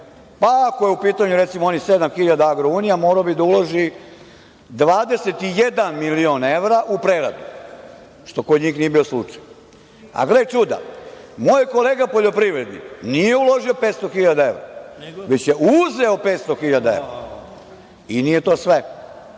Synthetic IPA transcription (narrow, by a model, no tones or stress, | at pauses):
paako̞jeupiːt̪aɲuɾet̪simoonised̪amxiʎad̪aaɡɾouːnijamoːɾaobid̪auloʒi | d̪ʋaːd̪e̞set̪ijed̪anmilione̞ʋɾaʔupɾeɾa̰d̪u | ʃt̪o̞kod̪ɲiːxnijebio̞slˠut͡ʂaj | a̰ɡlet͡ʃud̪a̰mojko̞leːɡapo̞ʎo̞pɾiʋɾe̞d̪nḭnijeuloʒiopeːt̪st̪o̞xiʎad̪ae̞ʋɾa̰ʋet͡ɕje̞ʔuzeo̞peːt̪st̪oxiʎad̪ae̞̰ʋɾa | inije̞t̪o̞ːsʋe